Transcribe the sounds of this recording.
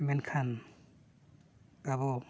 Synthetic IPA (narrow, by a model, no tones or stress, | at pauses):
menkʰan | aβɔ